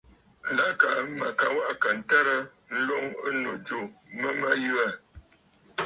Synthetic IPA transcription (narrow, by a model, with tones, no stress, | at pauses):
la˦ka˨˦ma˨ka˨wa˦ʔka˨n̩˨ta˦ɾə˦ | n̩˦lo˦ŋə˦no˨d͡ʒu˨mə˦ma˦ju˦a˦˨